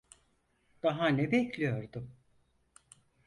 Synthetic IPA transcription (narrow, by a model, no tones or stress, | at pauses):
d̪̥aɦanɛbɛclʲijo̞ɾd̪ʊ